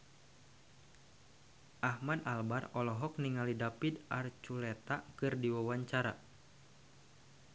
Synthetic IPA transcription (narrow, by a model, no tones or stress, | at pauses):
ʔahmadalbarɔlɔɦɔk̚niŋalidapidart͡ʃulɛt̪akɨrdiwawaɲt͡ʃaɾa